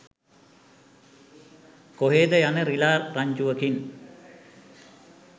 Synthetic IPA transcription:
koɦeːd̪əjanəɾilaːrraɲd͡ʒuʋəkin

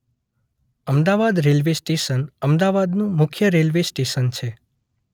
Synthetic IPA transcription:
əmd̪aʋad̪ɾelʋesʈeʃənəmd̪aʋad̪nũmʊkʰjəɾelʋesʈeʃənt͡ʃʰe

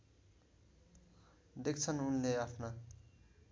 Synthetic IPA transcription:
d̪ekt͡sʰʌnunleapʰna

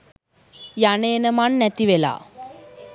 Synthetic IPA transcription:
janeːnəmanːæt̪iʋela̰ː

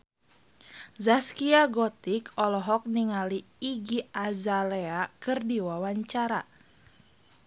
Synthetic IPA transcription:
zaskiaɡɔt̪ikɔlɔɦɔk̚niŋaliː | ɡiazaleakɨrdiwawaɲt͡ʃaɾa

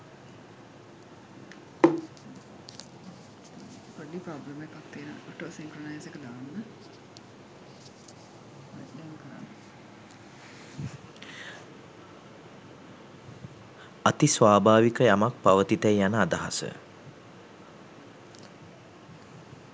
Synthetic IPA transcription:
koɖipɾoːbləmekakt̪iːnəə̰oʈoːsiŋkɾonajsekəd̪aːnːə | dɛŋkəɾa̰nː | at̪isʋaːbʱaːʋikəjamak̚paʋət̪it̪æjjanəad̪aɦasə̰

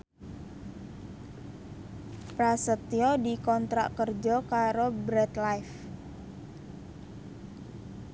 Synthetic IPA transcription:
pɾasət̪iɔdikɔnt̪ɾa̰ʔkərd͡ʒɔkaɾobɾɛt̪lajf

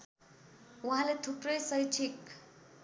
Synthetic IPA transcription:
uɦãlet̪ʰuprʌjsʌjt͡sʰik

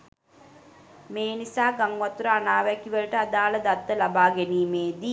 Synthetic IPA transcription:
meːnisaːɡaŋʋat̪uɾəanaːʋækiʋələʈəad̪aːləd̪at̪ːəlabaːɡæniːmeːd̪i

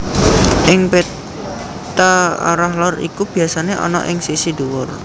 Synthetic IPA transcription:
ʔɪŋpe | t̪aa̰ɾahlɔrḭkub̥i̤asaneʔɔ̰nɔ̰ʔɪŋsisid̪uwɔr

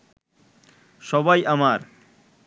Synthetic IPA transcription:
ʃɔbajʔamaɾ

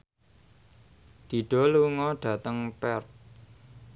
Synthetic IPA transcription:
d̪̥i̤ɖ̥ɔ̤luŋɔɖ̥ä̤t̪əŋpɛrt̪̚

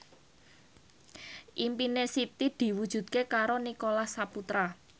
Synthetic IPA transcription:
ʔimpinesit̪id̪̥i̤wud̥ʒ̥ṳd̪̥̚kekaɾonikolasaput̪ɾa

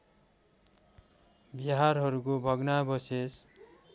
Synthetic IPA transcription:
bʌɦaɾɦʌɾukobʱʌɡnabʌses

